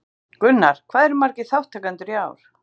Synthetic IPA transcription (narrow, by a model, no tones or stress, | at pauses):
kʏnːaɾ̥kʰv̥aːðɛɾʏmaɾcɪθawht̪ʰːaːkant̪ʏɾjaːwɾ̥